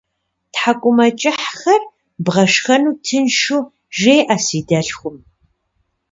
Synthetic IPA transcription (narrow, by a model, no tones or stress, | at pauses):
tħakʷʼʊmɐt͡ʃʼɪħxɐr | bʁɐʂxɐnuːtʰɨnʃuː | ʒejʔɐsiːdɐɬxʷʊm